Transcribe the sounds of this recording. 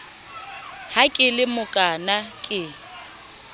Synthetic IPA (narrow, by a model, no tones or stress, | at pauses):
hakʼɪlɪmʊkʼanakʼɪ